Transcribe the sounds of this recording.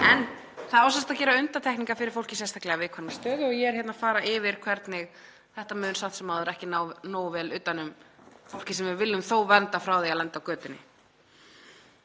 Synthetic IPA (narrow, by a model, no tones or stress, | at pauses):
ɛn | θaðaɔwsast̪acɛːɾaʏnt̪at̪ʰɛkniŋkafɪɾɪɾfowl̥cɪsɛnst̪aklɛɣavɪðkʰvanɪmst̪œːðɪɔjɛɛɾ̥çɛt̪nafaːɾaʔɪvɪɾ̥kʰvɛɾt̪nɪɣ | θɛht̪amʏːnsat̪sɛmaðʏɾɛhcɪnanoːwvɛːlʏːt̪anːʏmfowl̥cɪsɛmvɪvɪlːʏmθoːwvɛnt̪afɾawðejalɛnt̪awkœːt̪ʏnːɪ̰